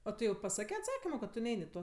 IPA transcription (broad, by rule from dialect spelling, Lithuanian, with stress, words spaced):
oː ˈtʊ jɛʊ pɐˈsɑːkʲeː ɐtˈsɑːkʲɪmoː kɐt tʊ ˈnʲɛɪnʲ ɪ ˈtoː